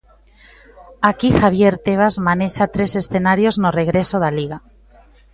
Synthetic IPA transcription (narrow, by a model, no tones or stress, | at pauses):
akixaβ̞je̞ɾt̪eβ̞azmaneʃat̪ɾe̞se̞sθe̞naɾjo̞znoreɣ̞ɾesoðaliɣ̞a